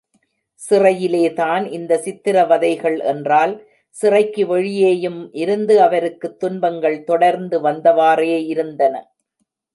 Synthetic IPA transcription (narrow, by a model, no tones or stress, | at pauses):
sɪrɐjɪleːt̪aːnʔɪnd̪ɐsɪt̪ːɪɾɐʋɐðɐɪɣɐɭʔɛ̰ndraːl | sɪrɐɪkːɯʋɛɻɪjeːjɯmʔɪɾɯnd̪ɯɐʋɐɾɯkːɯt̪ːʊnbɐŋɡɐɭt̪ɔɽɐɾnd̪ɯʋɐnd̪ɐʋaːreːɪɾɯnd̪ɐnɐ̰